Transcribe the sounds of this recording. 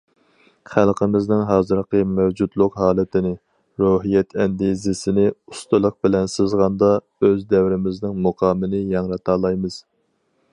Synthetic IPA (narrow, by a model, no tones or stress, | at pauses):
χælˠqʰəmɪznɪŋɦɑːzɨɾqəmɛwd͡ʒud̪lˠʊqɦɑːlˠɨt̪ʰɪnɪ | ɾoɦijɛt̪ʰɛnd̪izɪsɪnɪust̪ɨlˠəq̚bɪlɛnsɪzʁɑnd̪ɑ | øzd̪ɛwɾɪmɪznɪŋmuqʰɑːmɨnɪjɑŋɾɑt̪ɑːlˠɑjmɨz̥